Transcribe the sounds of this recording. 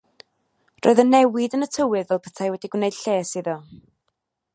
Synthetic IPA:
rʔo̰ːðənɛwɪdənətʰəwɨðvɛlˠpʰə̥tʰajwɛdiɡwnejd̥ɬeːsiðɔ

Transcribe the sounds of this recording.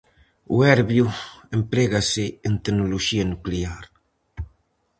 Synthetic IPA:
ṵɛɾβjuempɾeɣasɪːnt̪enoloʃianukleaɾ

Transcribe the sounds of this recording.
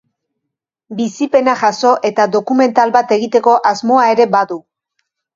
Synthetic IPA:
bisipe̞naʝaso̞ʔe̞t̪ad̪o̞kume̞nt̪alβat̪e̞ɣ̞it̪e̞ko̞ʔazmo̞ae̞ɾe̞baðu

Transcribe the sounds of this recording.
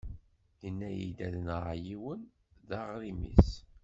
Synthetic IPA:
jənːæjḭd̪æðənʕjiwən | ðɑʁɾimḭs

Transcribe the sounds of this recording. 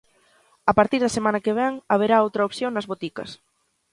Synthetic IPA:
ɐpaɾt̪iɾðɐsemanɐkeβ̞ɛŋaβeɾaowt̪ɾɐopθjoŋnɐzβot̪ikɐ̰s

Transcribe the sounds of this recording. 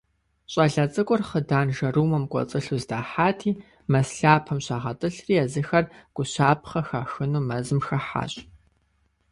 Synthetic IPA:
ɕʼɐɮɐt͡sʼɨkʷʼʊrχədaːnʒɐruːmɐmkʷʼɔ̰t͡sʼɨɬuːzdaːħaːtʰiː | mɐsɬaːpʰɐmɕaːʁɐtʼɨɬriːɛzɨxɐrɡ̥ʷʊɕaːp̚ʰχɐxaːxɨnuːmɐzɨmxɐħa̰ːɕʼ

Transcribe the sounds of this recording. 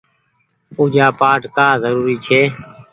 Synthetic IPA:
puːd͡ʒaːpaːʈkaːzəɾuːɾiːt͡ʃʰeː

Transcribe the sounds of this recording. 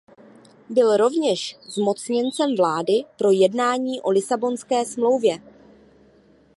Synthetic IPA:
bɪlɾo̞vɲɛʃzmo̞t͡sɲɛnt͡sɛmvlaːdɪpɾo̞jɛdnaːɲiːʔo̞lɪsabo̞nskɛːsmlo̞wvjɛ

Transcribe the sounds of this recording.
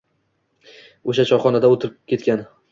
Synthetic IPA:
oʃat͡ʃʰɒχɒnad̪aot̪ʰɪɾɪp̚kʲe̞t̪kʲan

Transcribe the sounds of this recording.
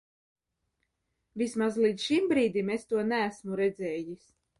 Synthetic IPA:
vʲismazlˠiːt̪sʃimbɾiːd̪imest̪uɔnææsmuɾɛd̪zɛːjis

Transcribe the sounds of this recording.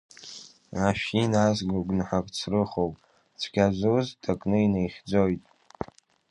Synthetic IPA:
aʃinazɡuɡʷnħakʼt͡sʰrɨχowpʼ | t͡sʷʰɡʲaʒʷuwztʰakʼnɨinejχʲd͡zʷojtʼ

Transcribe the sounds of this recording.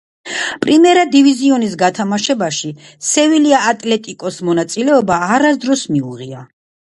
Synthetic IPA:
pʼɾimɛɾad̪iviziɔnis̬ɡat̪ʰamaʃɛbaʃi | sɛviliaːt̪ʼlɛt̪ʼikʼɔsmɔnat̪sʼilɛɔbaːɾasd̪ɾɔsmiuʁia

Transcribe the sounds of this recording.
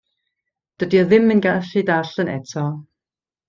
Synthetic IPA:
d̥ədiɔðɪmənɡaɬidaɬənɛ̰tʰɔ

